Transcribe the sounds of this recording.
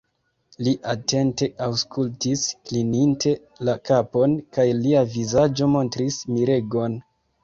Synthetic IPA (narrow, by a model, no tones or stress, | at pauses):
liʔate̞nte̞awskʰultisklinintʰe̞ | lakapo̞nkajliavizad͡ʒo̞mo̞ntɾismiɾe̞ɡo̞n